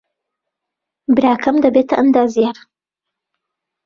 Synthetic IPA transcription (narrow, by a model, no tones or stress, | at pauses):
bɨɾaːkʰɐmd̪ɐbet̪ʰɐʔɐnd̪aːzijaɾ